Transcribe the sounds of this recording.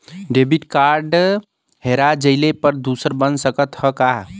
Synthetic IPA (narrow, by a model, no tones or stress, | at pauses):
ɖebiʈkaɾɖ | ɦeɾad͡ʒəɪlepəɾd̪usəɾbənsəkət̪həkaɦ